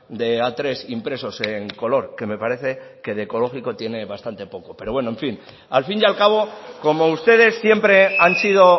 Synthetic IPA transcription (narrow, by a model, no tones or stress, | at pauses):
d̪e̞at̪ɾe̞simpɾe̞so̞se̞ŋko̞lo̞ɾke̞me̞paɾe̞θe̞ke̞ðeko̞lo̞xiko̞t̪je̞ne̞βast̪ant̪e̞po̞ko̞pe̞ɾo̞βwe̞no̞ẽ̞ɱfin | alfinjalkaβ̞o̞ko̞mo̞ust̪e̞ð̞e̞sːje̞mpɾe̞ansið̞o̞